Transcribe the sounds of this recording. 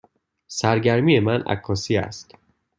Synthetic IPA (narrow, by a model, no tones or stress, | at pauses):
sæɾɟæɾmiːje̞mænæ̰kʰːɒːsiːæ̰st̪